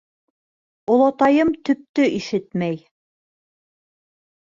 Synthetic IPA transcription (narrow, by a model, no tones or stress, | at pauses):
olˠɑt̪ɑjɤmt̪ɵ̆p̚t̪ɵʔiʃɘt̪mæj